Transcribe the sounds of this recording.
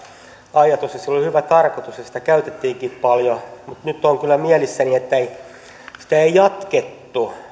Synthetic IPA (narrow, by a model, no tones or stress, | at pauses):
ɑjɑt̪usjɑsilːolihyʋæt̪ɑrkot̪usjɑsi̥t̪ækæyt̪et̪ːiːŋkiːppɑljomut̪nyt̪ːoŋkylːæmiælisːæniet̪ːæei | si̥t̪æeijɑt̪ket̪ːu